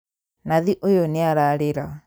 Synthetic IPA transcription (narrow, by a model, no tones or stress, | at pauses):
naðiʔojoneaɾaɾeɾa